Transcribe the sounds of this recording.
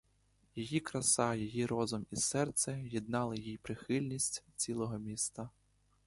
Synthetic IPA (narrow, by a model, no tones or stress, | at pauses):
jijikɾɐsɑjɔjiɾɔzʊmisɛrt̪sɛjid̪̚nɑlˠɪjijpɾɪxɪlʲnʲisʲtʲt͡sʲilˠɔɦɔmʲist̪ɐ